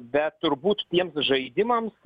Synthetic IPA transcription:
bʲɛt̪t̪ːʊɾbuːt̪t̪ʲiɛmsʒɐɪd̪ʲɪmɐms

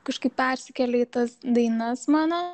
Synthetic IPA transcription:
kɐʃkɐɪpʲpʲæɾʲsʲɪkʲɛlʲɛit̪ɐsd̪ɐɪnɐsmɑːno

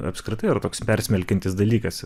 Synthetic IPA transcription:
ɐ̰pskɾʲɪt̪ɐɪːɾɐt̪oːkspʲɛɾʲsʲmʲɛlʲkʲɛnʲt̪ʲɪsd̪ɐlʲiːkɐs

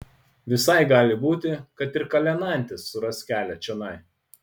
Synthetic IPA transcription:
ʋʲɪsɐɪɡɑːlʲɪbuːt̪ʲɪkɐt̪ɪɾkɐlʲɛnɐˑnʲt̪ʲɪsːʊɾɐsʲkʲæːlʲɛt͡ʃʲɛnɐɪ

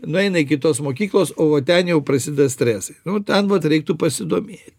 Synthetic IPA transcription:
nʊɛɪnɐɪkʲɪt̪oːsmoːkʲiːklˠoːsoːoːt̪ʲɛnjɛʊpɾɐsʲɪd̪ɐsʲt̪ʲɾʲæːsɐɪnʊt̪ʲɛnʋɐt̪ɾʲɛɪk̚t̪ʊpɐsʲɪd̪oːmʲeːt̪ʲ

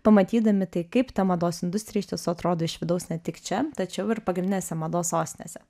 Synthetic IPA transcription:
pɐmɐt̪ʲiːd̪ɐmʲɪt̪ɐɪkɐɪpt̪ɐmɐd̪oːsɪnd̪ʊsʲt̪ʲɾʲɪːjɛʃt̪ʲɛsʊɐt̪ɾoːd̪oːɪʃʋʲɪd̪ɐʊsnʲɛt̪ʲɪkt͡ʃʲɛt̪ɐt͡ʃʲɛʊɪɾpɐɡɾʲnd̪ʲɪnʲɛːsʲɛmɐd̪oːsoːsʲt̪ʲɪnʲḛːsʲɛ

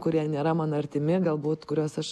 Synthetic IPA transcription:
kʊɾʲiɛnʲeːɾɐmɑːnoɐɾʲt̪ʲɪmʲɪɡɐlˠbuːtt̪kʊɾʲoːsɐʃ

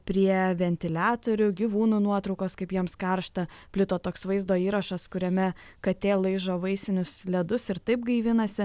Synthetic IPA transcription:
pʲɾʲiɛʋʲɛnʲt̪ʲɪlʲæːt̪oːɾʲʊɡʲiʋuːnuːnuɔt̪ɾɒʊkoːskɐɪpjiɛmskɐɾʃt̪ɐ | pʲlʲɪt̪oːt̪oːksʋɐɪzd̪oːiːɾɐʃɐskʊɾʲɛmʲɛ | kɐt̪ʲeːlˠɐɪʒoʋɐɪsʲɪnʲʊslʲɛd̪ʊsɪɾt̪ɐɪp̚ɡɐɪʋʲɪnɐsʲɪ

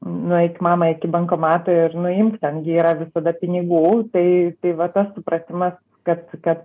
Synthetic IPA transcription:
nʊɪkʲɪmɑːmɐɪkʲɪbɐŋkomɑːt̪ɐɪrnʊɪmkt̪ʲɐnɡʲɪiːɾɐʋʲɪsɐd̪ɐpʲɪnʲɪɡuːt̪ɐɪt̪ɐɪʋɐt̪ɐssʊpɾɐt̪ʲɪmɐs | kɐt̪kɐt̪

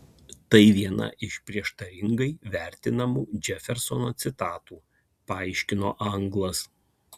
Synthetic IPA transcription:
t̪ɐɪʋʲiɛnɐ̰ʔɪʃpʲɾʲiɛʃt̪ɐɾʲɪŋɡɐɪʋʲæˑɾʲt̪ʲɪnɐmuːd͡ʒʲɛfʲɛɾsɔnoːt̪sʲɪt̪ɑːt̪uː | pɐɐɪʃʲkʲɪno̰ːʔɐŋɡlˠɐs

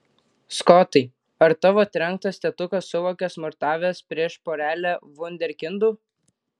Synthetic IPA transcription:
skɔt̪ɐɪ | ɐɾt̪ɑʋoːt̪ʲɾʲɛŋk̚t̪ɐsʲt̪ʲɛt̪ʊkɐsːʊʋoːkʲɛsmɔɾt̪ɑːʋʲeːspʲɾʲiɛʃpoːɾʲæːlʲæʋʊnʲd̪ʲɛɾʲkʲɪnd̪uː

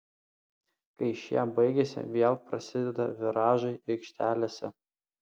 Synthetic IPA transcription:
kɐɪʃʲjɛ̰mbɐɪɡʲɛsʲɪ̰ʋʲeɛlˠpɾɐsʲɪd̪ʲɛd̪ɐʋʲɪɾɑːʒɐɪɪkʃʲt̪ʲæːlʲeːsʲɛ

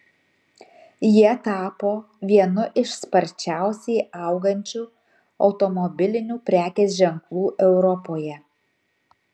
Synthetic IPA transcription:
jiɛt̪ɑːpoː | ʋʲiɛnʊʔɪʃspɐɾʲt͡ʃʲæˑʊsʲɛɪɐˑʊɡɐnʲt͡ʃʲuː | ɒʊt̪ɔmɔbʲɪlʲɪnʲuːpʲɾʲæːkʲeːsʒʲɛŋklˠuːʔɛʊɾɔpoːjɛ

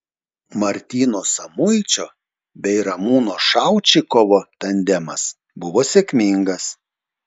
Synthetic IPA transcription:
mɐɾʲt̪ʲiːnoːsɐmʊɪt͡ʃʲoː | bʲɛɪɾɐmuːnoːʃɑˑʊt͡ʃʲɪkɔʋoːt̪ɐnʲd̪ʲɛmɐs | bʊʋoːsʲeːkʲmʲɪŋɡɐs

